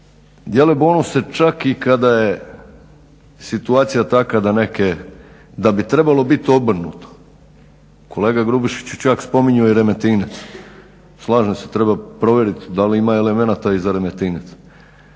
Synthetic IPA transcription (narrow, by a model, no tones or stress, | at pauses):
d̪jelebonuset͡ʃakikad̪aje | sit̪uaːt̪sijat̪akad̪aneke | d̪abit̪ɾe̞balˠo̞bit̪obr̩nṵt̪o̥ | ko̞leːɡaɡɾubiʃi̥t͡ɕut͡ʃakspo̞miɲuoiɾe̞met̪inet̪s | slˠaːʒeset̪ɾebapɾo̞ʋjeɾit̪d̪aliimaele̞menat̪aizaɾe̞met̪iːnet̪s